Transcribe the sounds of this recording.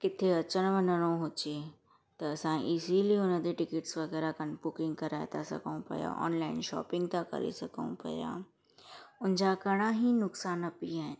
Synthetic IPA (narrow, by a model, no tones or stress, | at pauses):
kɪt̪ʰeɐt͡ɕəɽ̃ʋɐnəɽ̃õɦʊt͡ɕe | t̪ɐːsãiːziliʊnə̃d͡ʑ̪eʈɪkɪʈsʋɐɣɛːɾakɐnpʊkɪ̃ŋɡkɐɾaːɪt̪asɐ̰ɡʱəũpɐ̰ja̰ʔɔ̰ːnlaːɪnʃɔ̰ːpɪ̃ŋɡ̚t̪ʰakɐ̰ɾḛsɐɡʱəũpɐ̰ja̰ | ʊnd͡ʑakɐɽ̃aɦinʊksaːnɐpiaːɦɪn